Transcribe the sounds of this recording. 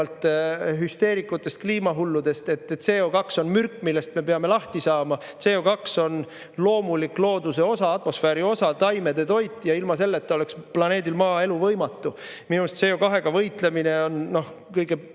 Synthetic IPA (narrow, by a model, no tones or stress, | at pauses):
lt̪ˑɦyst̪e̞ːɾikːˑut̪ːˑe̞st̪̚kliːmɑɦulːud̪̥e̞st̪e̞t̪ːese̞ːokɑkso̞nmyrkˑːmilːe̞st̪me̞peɑme̞lɑht̪isɑːmɑse̞ːokɑkso̞n | lo̞ːmulikloːd̪use̞o̞sɑɑt̪mo̞sfeːɾio̞sɑt̪ɑjme̞d̪e̞t̪o̞jt̪ːˑjɑilmɑse̞lːet̪ːˑo̞le̞ksplɑne̞ːd̪ilmɑːe̞luvɤjmɑt̪ːˑu | minumest̪se̞ːokɑɦe̞ɡ̥ɑvɤjt̪ˑle̞mine̞o̞nno̞hkɤjɡe